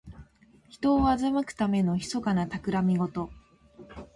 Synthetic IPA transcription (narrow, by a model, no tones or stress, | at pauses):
çi̥t̪o̞ːazamakɯ̟̥t̪ame̞no̞çi̥so̞kanat̪akɯ̟ɾamʲiɡo̞t̪o̞